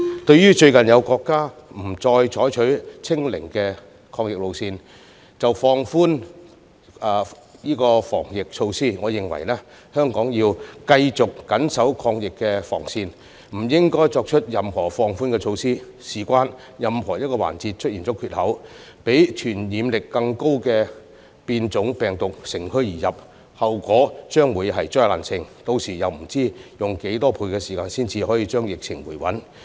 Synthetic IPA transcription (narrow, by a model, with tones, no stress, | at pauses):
t̪ɵ˧ɥjyː˥t͡ʃɵ˧ɥkɐ˨˩njɐ˨˧wkɔː˧kːaː˥m̩˨˩t͡sɔː˧jt͡ʃʰɔː˨˥jt͡ʃʰɵ˨˥ɥt͡sʰɪ˥ŋlɪ̰˨˩ŋkɛː˧ | kʰɔː˧ŋjɪ˨k̚lo˨wsiː˧n | t͡sɐ˨wfɔː˧ŋfuː˥n | ɛ˨˧ | jiː˥kɔː˧fɔ̰ː˨˩ŋjɪ˨k̚t͡ʃʰo˧wsiː˥ŋɔː˨˧jɪ˨ŋwɐ̰˨˩jlɛː˥ | hœː˥ŋkɔː˨˥ŋjiː˧wkɐ˧jt͡sʊ˨kːɐ˨˥nsɐ˨˥wkʰɔː˧ŋjɪ˨kːɛː˧fɔ̰ː˨˩ŋsiː˧n | m̩˨˩jɪ˥ŋkɔː˥jt͡ʃɔː˧k̚t͡ʃʰɵ˥t̚jɐ˨mhɔː˨˩fɔː˧ŋfuː˥nkɛ˧t͡ʃʰo˧wsiː˥ | siː˨˩kʷwaː˥n | jɐ˨mhɔː˨˩jɐ˥t̚kɔː˧wa̰ː˨˩nt͡siː˧t̚t͡ʃʰɵ˥t̚jiː˨˩nt͡sɔː˨˥kʰyː˧t̚hɐ˨˥w | pe˨˥jt͡ʃʰyː˨˩njiː˨˧mlɪ˨kːɐ˧ŋko˥wkɛː˧ | piː˧nt͡sʊ˨˥ŋpɛː˨˩ŋt̪ʊ˨k̚sɪ˨˩ŋkʰɵ˥ɥjiː˨˩jɐ˨p̚ | hɐ˨wkɔː˨˥t͡ʃœː˥ŋwuː˨˧jɦɐ˨jt͡ʃɔː˥la̰ː˨nsʰɪ˧ŋt̪o˧wsiː˨˩jɐ˨wm̩˨˩t͡siː˥jʊ˨˩ŋke˨˥jt̪ɔː˥pʰuː˧jkɛː˧siː˨˩kaː˧nsiː˥nt͡siː˧hɔː˨˥jiː˧t͡ʃœː˥ŋjɪ˨k̚t͡sʰɪ˨˩ŋwuː˨˩jwɐ̰˨˥n